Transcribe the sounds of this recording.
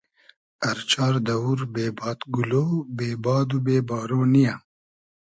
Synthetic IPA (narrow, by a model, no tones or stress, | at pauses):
ɐɾt͡ʃaːɾd̪ɐwuɾbeːbɑːt̪ɡuloːbeːbaːd̪ubeːbaːɾoːnija